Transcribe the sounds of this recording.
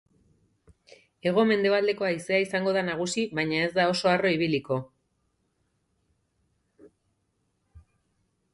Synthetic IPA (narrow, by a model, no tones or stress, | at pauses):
e̞ɣ̞o̞me̞nd̪e̞βald̪e̞ko̞aise̞aisaŋɡo̞ðanaɣ̞usiβajɲae̞zd̪ao̞so̞aro̞iβ̞iliko̞